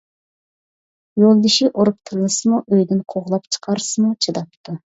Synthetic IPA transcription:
jolˠd̪iʃiʔoɾup̚t̪ʰɨɾlˠɨsɨmuʔøjd̪ɪnqʰoʁlˠɑpt͡ʃʰə̥qʰɑɾsɨmut͡ʃʰɨd̪ɑpt̪ʰːu

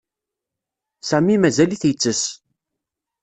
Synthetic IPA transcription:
sæmimæzæliθjət͡sːəs

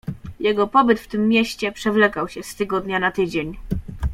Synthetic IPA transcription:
jɛɡɔpɔbɘt̪ft̪ɘmːjɛɕt͡ɕɛpʂɛvlɛkawɕɛst̪ɘɡɔd̪ɲanat̪ɘd͡ʑeɲ

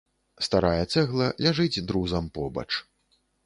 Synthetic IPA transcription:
st̪aɾajɐt̪sɛɣlˠɐlʲaʐɨd͡zʲd̪ɾuzɐmpɔbɐ̰t͡ʂ

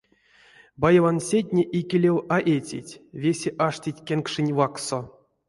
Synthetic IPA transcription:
bajevansʲetʲnʲeʔikʲilʲewaʔet͡sʲḭtʲvʲesʲeʔaʂtʲitʲkʲenkʂɨnʲvakso

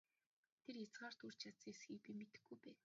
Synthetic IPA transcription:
t̪ʰeɾet͡sɢaːr̥t̪ur̥t͡ɕjat̪sŋesɡiːk̚pimet̪ɘ̆ɡujpæːn

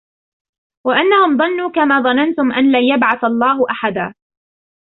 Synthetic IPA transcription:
waʔanːahʊmðˤɑnːuːkamaːðˤɑnant̪ʊmʔanlaːjabʕaθaɑlˤːɑːɦʊʔaħad̪aː

